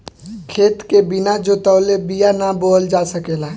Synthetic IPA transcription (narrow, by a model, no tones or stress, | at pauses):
kʰeːt̪kebɪnad͡ʒot̪əʊlebijanaboːld͡ʒaːsəkeːla